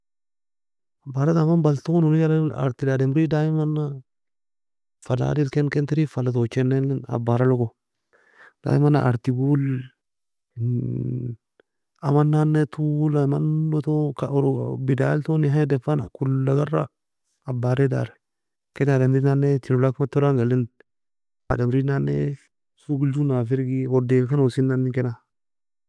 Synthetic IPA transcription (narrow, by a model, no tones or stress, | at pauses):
abaɾat̪amanbalt̪oːnunijala̰ɾt̪ɪdadɛmɾidajmanːa | fala̰ːdilkɛnkɛnt̪ɪɾifalat̪ot͡ʃːɛnːɛna̰bːaɾalɔko | d̥a̰ːjɪmanːaʔaɾt̪iɡul | amanːanːetʰulamanːotokaoɾ̰bidaltoniɦadefana̰kulːaɡaɾa̰ | abaɾeda̰ɾɛ | kenademɾinanetiɾolakmatːoɾaŋɡalind | a̰damɾinanːe | suɡid͡ʒunafiɾɡiodekanosinːanːikena